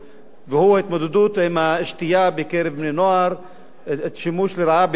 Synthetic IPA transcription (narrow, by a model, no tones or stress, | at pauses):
vehuaɪt̪mod̪ed̪ut̪ɪmaɪʃt̪ijabekeɾevmnenoaɾ | et̪ʃimuːʃlɪɾaab